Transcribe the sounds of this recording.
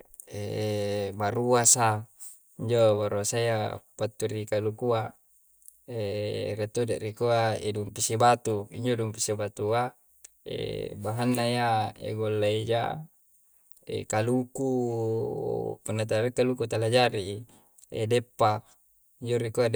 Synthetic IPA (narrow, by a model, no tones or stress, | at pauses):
e | baɾuasa | iɲd͡ʒobaɾuasaiapat̪ːuɾikalukua | eriat̪ːudaʔrikuaḛduŋpisibat̪uḭɲd͡ʒoduŋpisibat̪ua | ḛbaɦanːaiaḛɡolːaid͡ʒa̰ | ḛkaluku | punːat̪̬aɾikːalukut̪alad͡ʒaɾi | ḛdepːa | iɲd͡ʒoɾikua